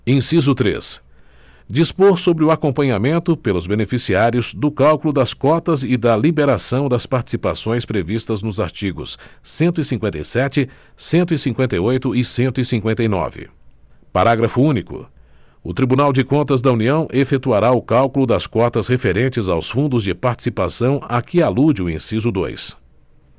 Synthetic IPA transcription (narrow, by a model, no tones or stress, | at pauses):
ẽsizʊt̪ɾḛs | d͡ʒispoɾsobɾɪʊakõpɐ̃ɲamẽnt̪ʊpelʊzbenefisiaɾjʊzd̪ʊkawkʊlʊd̪ɐskɔt̪ɐzɪd̪ɐlibeɾasɐ̃w̃d̪ɐspaɾt͡ʃi̥sipasõj̃spɾevist̪ɐznʊza̰ɾt͡ʃiɡʊ̰sːẽnt̪ʊisĩŋkwẽt̪ɐ̰jsɛt͡ʃɪ | sẽnt̪ʊisĩŋkwẽnt̪ɐjojt̪ʊɪsẽnt̪ʊisĩkwẽnt̪ɐjnɔ̰vɪ̰ | paɾaɡɾɐfʊũnikʊ̰ | ʊt̪ɾibunawd͡ʒɪkõnt̪ɐzd̪ɐuniɐ̃w̃ʔefet̪uaɾaʊkawkʊlʊd̪ɐskɔt̪ɐshefeɾẽnt͡ʃɪzawsfũnd̪ʊzd͡ʒɪpaɾt͡ʃi̥sipasɐ̃w̃akɪalud͡ʒɪʊẽsizʊd̪o̰js